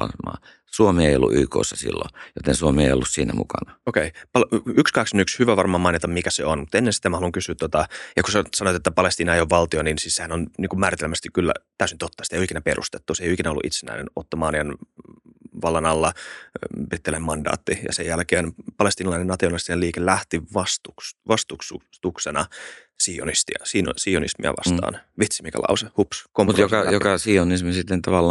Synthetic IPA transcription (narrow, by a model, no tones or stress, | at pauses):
ɑmɑ̰ː | suomeeijolːṵʔyːko̰ːsːɑsḭlːo̰jot̪ensuomeeˑijo̰lːussiːnæmṵkɑnɑokeipɑlykskɑksonykshyʋæʋɑrmɑːmɑinet̪ɑmikæseonmut̪enːensi̥t̪ːemɑhloŋkysyːt̪ːot̪ɑjɑkusesɑnoet̪et̪ːæpɑlest̪iːnɑejoːʋʋɑlt̪ioninsissehænonniːŋkummæːɾit̪elmæst̪ikkylːæ̰t̪æˑysinyt̪ot̪ːɑsi̥t̪ejoikinæperʔṵst̪e̥t̪ːuseijoikinæolːṵʔḭt̪senæ̰inḛnot̪ːɑmɑːnien | ʋɑlːɑnɑlːɑ | brit̪ːelemmɑndɑ̰ːt̪ːijɑ̰sejjælkeːnpɑlest̪iːnɑlɑinenɑt̪ionɑlist̪ineliːkellæht̪iʋɑst̪uksʋɑst̪uksut̪uksenɑ | siːo̰nist̪ḭɑsin̰sionḭsmḭɑ̰ʋɑ̰st̪ɑ̰ːnʋit̪simikɑ̰lɑ̰usehupskompmutrjoskɑjokɑsionismisit̪ːent̪ɑʋɑlːɑ